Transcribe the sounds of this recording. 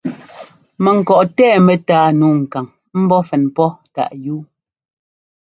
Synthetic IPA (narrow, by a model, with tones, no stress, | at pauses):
mɛ˨ŋ̩˨kɔ˨ʔtɛː˦˨mɛ˨taː˦nuː˦˨ŋ̩˨ka˨ŋ | m̩˦bɔ˦fɛ˨npɔ˦ta̰˨ʔjuː˦